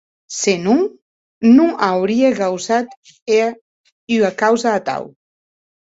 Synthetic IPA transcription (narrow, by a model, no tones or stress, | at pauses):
senuŋ | nuʔawɾieɣawzat̪ | e | yakawzaːt̪a̰w